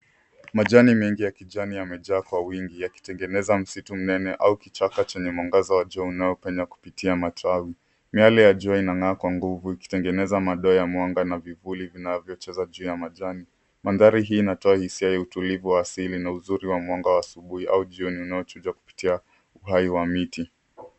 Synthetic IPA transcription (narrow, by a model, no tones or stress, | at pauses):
maʄanimɛŋɡijakiʄanijamɛʄaːkwawiŋɡijaki̥tɛŋɡɛnɛzam̩situm̩nɛnɛʔaukit͡ʃakat͡ʃɛɲɛmaŋɡazawaʄɔaunajɔpɛɲaku̥pitiamatʰawi | mialijaʄɔainaŋaːkwaŋɡuvuiki̥tɛŋɡɛnɛzamaɗɔːjamwaŋɡanavivulivinavjɔt͡ʃɛzaʄuːjamaʄani | manðaɾiɦiːnatɔahisiajautulivuwaːsilinauzuɾiwamwaŋɡawaːsuɓuhiʔauʄiɔniunajɔt͡ʃud͡ʒwaku̥pi̥tia | uɦaiwamiti